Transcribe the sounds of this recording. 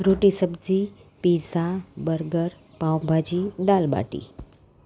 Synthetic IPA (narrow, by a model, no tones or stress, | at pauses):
ɾoʈisəbd͡zi | piːsabəɾɡəɾ | pãwbʱad͡ʑid̪aːlɓa̰ːʈḭ